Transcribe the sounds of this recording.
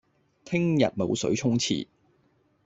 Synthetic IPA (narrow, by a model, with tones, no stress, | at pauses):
t̪ʰɪ˥ŋjɐ˨t̚mo˨˧wsɵ̰˨˥ɥt͡ʃʰʊ˥ŋt͡sʰḭː˨˩